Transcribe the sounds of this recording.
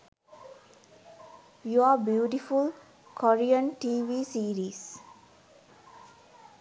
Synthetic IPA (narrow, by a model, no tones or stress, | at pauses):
juaːbjuːʈiful | kʰoɾiə̃nʈiːʋiːsiːɾiːs